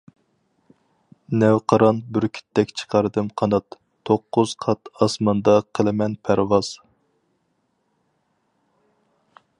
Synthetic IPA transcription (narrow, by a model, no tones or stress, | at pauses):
nɛwqʰɑɾɑnbɪɾkʲʰi̥t̪ʰːɛkʲt͡ʃʰə̥qʰɑɾɨd̪ɨmqʰɑnɑt̪ʰː | oqːʊz̥qʰɑt̪ɑsmɑnd̪ɑqʰəlˠɨmɛnpʰæɾwɑz̥